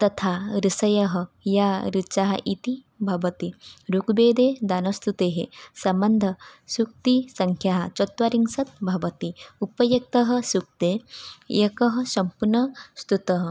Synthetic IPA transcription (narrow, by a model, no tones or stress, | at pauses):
t̪ɐt̪ʰaɾisɐjɐɦɐjaɾit͡ʃaɦɐ̰ʔit̪i | bʱɐʋɐt̪iɾukbeːd̪ed̪anɐst̪ut̪eːɦesɐmbɐnd̪ʱɐsuk̚t̪isɐŋkʰjaɦɐt͡ʃɔt̪ʋɐɾiŋsɐt̪̚bʱɐʋɐt̪iupɐjɐk̚t̪ɐɦɐsuk̚t̪eekɐɦɐsɐmpuɾnɐst̪ut̪ɐɦɐ